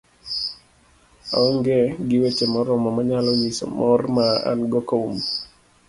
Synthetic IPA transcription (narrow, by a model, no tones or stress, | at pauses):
ɔŋɡeɡɪwet͡ʃemɔɾɔmamaɲalɔɲisɔ̰mɔrmaa̰nɡɔkoum